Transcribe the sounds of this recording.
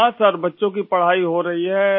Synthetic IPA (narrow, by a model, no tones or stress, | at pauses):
ãsəɾbɐtːʃõkipɐɽ̤aːiɦoɾɐɦiɦɛː